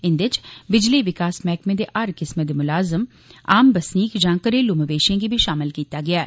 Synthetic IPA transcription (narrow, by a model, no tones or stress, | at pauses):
ɪnd̪ɪt͡ʃbɪd͡ʒliʋɪkaːsmɛːkmẽd̪eʔaɾkɪsməd̪emʊlaːzəm | aːmbəsniːkd͡ʒãːkəɾelʊməʋeːʃẽɡibʱiʃaːmɪlkiːt̪aɡɪaː